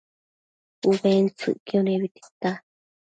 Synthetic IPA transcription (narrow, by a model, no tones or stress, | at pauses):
uβent͡sɨ̰ʔkioneβit̪i̥t̪a